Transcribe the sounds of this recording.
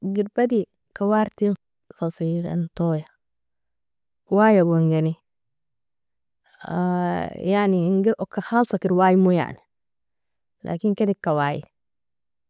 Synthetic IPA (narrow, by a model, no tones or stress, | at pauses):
ɡiɾbad̪i | kawaɾt̪in | fɑsiːɾa̰nt̪oːja | waːjabuŋɡeni | ajaʕniŋɡiɾʔokːaxaːlsˤɑkiɾwaːjmuja̰ʕni | lʔa̰ːkinkedikːawaːjḭ